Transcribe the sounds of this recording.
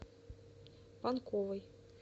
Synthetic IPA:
pɑnkovɤj

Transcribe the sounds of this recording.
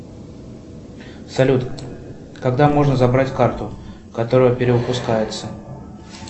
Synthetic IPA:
sɐlʲut̪ | kɐɡd̪amo̞ʐnəzɐbɾatʲkart̪ʊ | kɐt̪o̞ɾʊjəpʲɪɾʲɪʊpʊskajɪt̪sə

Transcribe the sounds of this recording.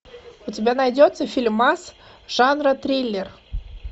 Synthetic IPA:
ʊtʲɪbʲanɐjdʲot̪səfʲilʲmasʐ̥anrət̪ɾʲejlʲːer

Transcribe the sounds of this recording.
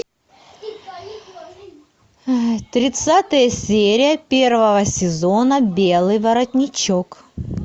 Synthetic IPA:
t̪ɾʲɪt̪sat̪əjəsʲeɾʲɪjəpʲe̞rvəvəsʲɪzonəbʲelˠɨjvɐɾɐtʲnʲɪt͡ɕok

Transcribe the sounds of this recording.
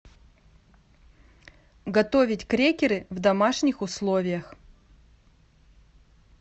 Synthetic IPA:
ɡɐt̪o̞vʲɪtʲkɾʲekʲɪɾɨvd̪ɐmaʂnʲɪxʊslˠovʲɪjəx

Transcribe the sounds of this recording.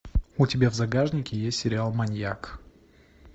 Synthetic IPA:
ʊtʲɪbʲavzɐɡaʐnʲɪkʲɪjesʲtʲsʲɪɾʲɪalˠmɐnʲjak

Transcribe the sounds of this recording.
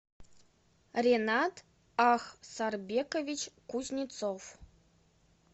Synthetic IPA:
rʲenɑt̪ | ɑxsɑrbʲekovʲit͡ɕkuzʲnʲit̪t͡sof

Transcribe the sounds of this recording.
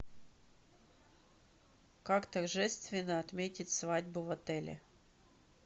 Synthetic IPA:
kakt̪ɐrʐɛst̪vʲɪnːəɐt̪mʲetʲɪt̪ʲsvadʲbʊvɐt̪ɛlʲɪ̰

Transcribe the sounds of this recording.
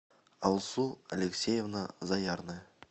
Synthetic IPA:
ɑlˠsua̰lʲeksʲejevnəzɑjɑɾnɨ

